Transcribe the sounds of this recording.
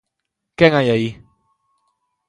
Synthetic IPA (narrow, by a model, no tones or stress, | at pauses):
kɛŋajaji